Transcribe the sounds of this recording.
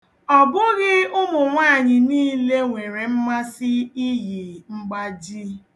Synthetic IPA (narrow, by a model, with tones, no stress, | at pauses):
ɔ˨bʊ˦ɣɪ˦ʊ˦mʊ˨ŋʷaː˦˨ɲɪ˨niː˦le˦ŋʷe˨ɾe˨m̩˦ma˦sɪ˦i˦je˨ŋ͡m̩˦ɡ͡ba˦d͡ʒi˦